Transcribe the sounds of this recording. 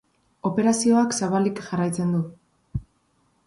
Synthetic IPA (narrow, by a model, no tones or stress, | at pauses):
o̞pe̞ɾasio̞aksaβalikʝarajt͡se̞nd̪u